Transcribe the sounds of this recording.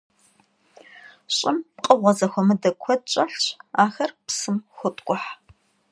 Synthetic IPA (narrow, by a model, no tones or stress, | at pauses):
ɕʼɪmpqʼəʁʷɐzɐxʷɔmɨdɐkʷʰɔt͡ʃʼɐɬɕaːxɐrpsɨmxʷʊtʼkʷʼʊħ